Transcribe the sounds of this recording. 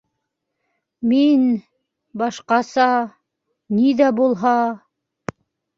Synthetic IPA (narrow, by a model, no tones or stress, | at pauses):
min | bɑʃqɑsɑ | niðæbulˠɦɑ